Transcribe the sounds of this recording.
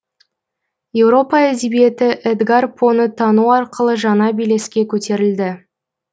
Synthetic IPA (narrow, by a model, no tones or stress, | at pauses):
je̞wɾo̞pɑæd̪e̞bije̞t̪ɪʔɛd̪ɡarpʰo̞nət̪ʰɑnuɑɾqəlˠəʒɑnɑbijle̞skʲe̞kʲʰɵt̪e̞ɾɪld̪ɪ